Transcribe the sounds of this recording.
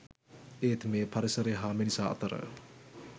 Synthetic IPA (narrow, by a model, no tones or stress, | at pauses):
et̪ʰmepʰɐɾesɐɾeɦamenisaɐ̰t̪ɐɾə̰